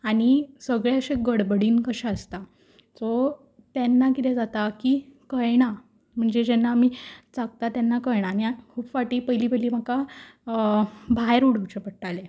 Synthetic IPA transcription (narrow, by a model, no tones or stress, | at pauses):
aɽ̃isəɡɭaəɕeɡəɽbəɽiːnkəɕaəst̪a | t͡sɔ | t̪ɛnːakit̪ɛd͡zat̪akikəjɳ̃a | m̤əɳd͡zed͡ʑɛnːaːmiːt͡saɡ̚t̪at̪janːakəjɽ̃aniakʰuːbfaʈiːpəjliːpəjliːm̤əka | bʱajɾuɽ̤uŋt͡ɕepəʈale